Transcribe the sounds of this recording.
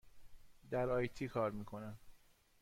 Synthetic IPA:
d̪æɾɒːjt̪ʰiːkʰɒːɾmiːkʰo̞næn

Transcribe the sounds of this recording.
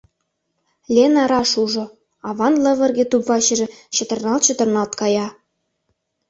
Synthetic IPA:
lʲenɑɾɑʃuʒŏ | ɑβɑnlɤ̆βɤ̆rɡʲĕt̪upvɑɕɘ̆ʒɘ̆ɕɤ̆t̪ɤ̆rnɑlt̪ɕɤ̆t̪ɤ̆rnɑlt̪kɑjɑ

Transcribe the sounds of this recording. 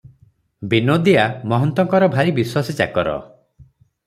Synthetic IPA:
binod̪iamɔɦɔnt̪ɔŋkɔɾɔbʱaɾibiswasit͡ʃa̰kɔɾɔ̰

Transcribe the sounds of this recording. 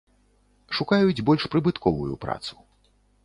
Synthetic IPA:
ʂukajud͡zʲbɔlʲʂpɾɨbɨt̪kɔvujṵpɾa̰t̪su̥

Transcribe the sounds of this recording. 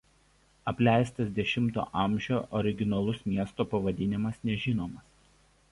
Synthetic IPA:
ɐpʲlʲæˑɪst̪ɐsd̪ʲɛʃʲɪmt̪o̰ːʔɐˑmʲˑʒʲoːʔɔɾʲɪɡʲɪnɐlˠʊsmʲiɛst̪oːpɐʋɐd̪ʲɪnʲɪmɐsnʲɛʒʲɪnoːmɐs

